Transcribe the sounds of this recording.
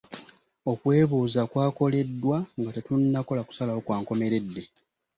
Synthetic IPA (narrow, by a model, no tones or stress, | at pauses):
o̞kwe̞ːβuːzakwaːko̞le̞dːwaŋɡatetunːako̞laku̥salawokwaːŋko̞me̞ɾe̞dːe̞